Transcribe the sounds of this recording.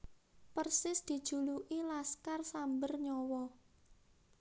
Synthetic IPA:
pərsɪsd̪̥i̤d̥ʒ̥ṳluʔilaskarsambərɲɔwɔ

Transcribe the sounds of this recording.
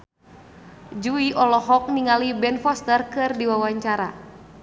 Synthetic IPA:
d͡ʒuiʔɔlɔɦɔk̚niŋalibɛnfɔst̪ərkɨrdiwawaɲt͡ʃaɾa̰

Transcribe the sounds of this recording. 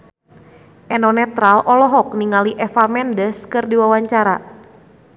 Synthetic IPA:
ʔɛnɔnɛt̪ɾalʔɔlɔɦɔk̚niŋaliʔɛfamɛndəskɨrdiwawaɲt͡ʃaɾa

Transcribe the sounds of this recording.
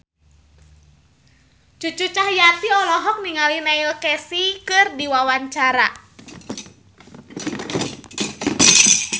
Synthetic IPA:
t͡ʃut͡ʃut͡ʃahjat̪iɔlɔɦɔk̚niŋalinɛilkɛsikɨrdiwawaɲt͡ʃaɾa

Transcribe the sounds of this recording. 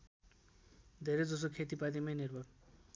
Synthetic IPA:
d̪ʱeɾʌd͡zʌsokʰet̪ipad̪imʌjnirbʱʌr

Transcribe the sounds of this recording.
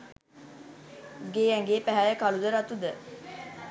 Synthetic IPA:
ɡeːæŋɡeːpæɦæjəkalud̪əɾat̪ud̪ə

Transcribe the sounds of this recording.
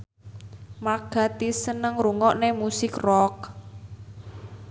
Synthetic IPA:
maɡ̥a̤t̪isənəŋruŋɔʔnemusɪkrɔk̚

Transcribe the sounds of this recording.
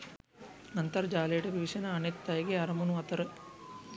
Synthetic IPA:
nɐnt̪ɐɾd͡ʒaːleːʈɐʋiʋiʃɐnɐɐɳet̪ːɐjɐɡeɐɾɐmunuɐt̪ɐɾɨ

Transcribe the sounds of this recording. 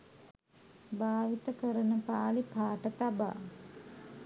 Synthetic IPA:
baːʋit̪əkəɾənəpaːlipaːʈət̪aba̰ː

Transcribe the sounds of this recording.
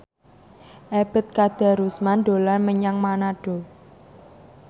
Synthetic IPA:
ʔeb̥ə̤t̪̚kad̪̥a̤ɾusmand̪o̤lanməɲaŋmanaɖ̥o̤

